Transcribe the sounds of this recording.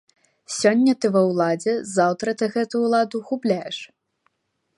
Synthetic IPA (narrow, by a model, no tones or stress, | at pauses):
sʲɔnʲːɐt̪ɨvɐwlˠad͡zʲɛzawt̪ɾɐt̪ɨɣɛt̪uuːlˠad̪uɣuplʲajɛʂ